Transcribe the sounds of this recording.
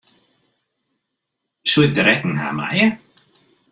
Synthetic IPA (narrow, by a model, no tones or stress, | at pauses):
swɪdɾɛdnɦa̰ma̰j